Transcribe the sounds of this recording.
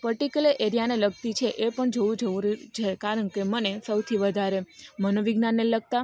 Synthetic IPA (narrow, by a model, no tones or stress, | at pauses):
pəɾʈikəleʔeɾijaneləɡ̚t̪it͡ʃʰeʔepəɳd͡ʒoʋud͡ʒəuɾt͡ʃʰeekaɾəɳkemənesəwt̪ʰiʋəd̪ʱaɾemənoʋiɡnanːeləɡ̚t̪a